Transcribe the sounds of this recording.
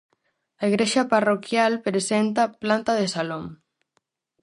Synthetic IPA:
aiɣɾeʃaparokjalpɾesent̪aplant̪aðesaloŋ

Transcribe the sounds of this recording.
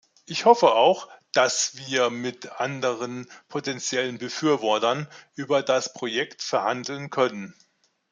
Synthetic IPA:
ʔɪçhɔfəaʊxd̥asv̥iːɐmɪtʔandəʁənpʰotɛnt͡sjɛlənbəfyːɐvɔɐtɐnʔyːbɐdaspʁ̥ojɛktfɛɐhandl̩nkʰœnən

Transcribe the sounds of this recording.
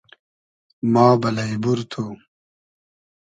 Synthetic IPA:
maːbɐlɐibuɾt̪ʰoː

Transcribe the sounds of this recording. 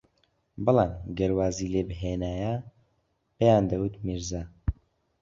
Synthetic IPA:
bɨlɑːmɡɐɾwaːziːleːbɦeːnaːja | bɛjaːnd̪ɐwɨt̪miɾzaː

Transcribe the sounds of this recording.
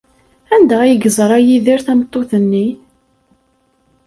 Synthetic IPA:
ænd̪æiɡəzˤɾˤæjiðiɾθæmt̪ˤːoθənːi

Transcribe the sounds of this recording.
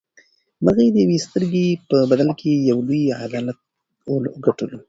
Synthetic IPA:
məɣajed̪əjawest̪əɾɡepəbad̪alkʰejawluja̰d̪ɑlat̪̚ | olːɡaʈəlo

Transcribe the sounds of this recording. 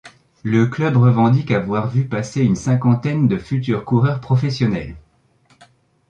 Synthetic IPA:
ləklœbʁəvɑ̃d̪ikavwaʁvypaseynsɛ̃kɑ̃t̪ɛnd̪əfyt̪yʁkuʁœʁpχɔfɛsjɔnɛ̰l

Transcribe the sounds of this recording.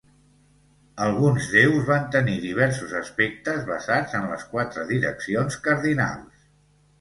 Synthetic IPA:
əlˠɣunzðewzβant̪əniðiβ̞ɛɾsuzəspek̚t̪əzβəzad͡zənlə̰skwat̪ɾəðiɾə̰ksionskəɾðina̰lˠs

